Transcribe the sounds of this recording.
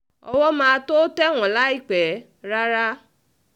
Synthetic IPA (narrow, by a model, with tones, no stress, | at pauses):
ɔ̰˦wɔ˦mãː˧a˧to˦tɛ˦˨w̃ɔ̃˨la˦i˦k͡pɛ˨˦ | ɾa˦ɾa˦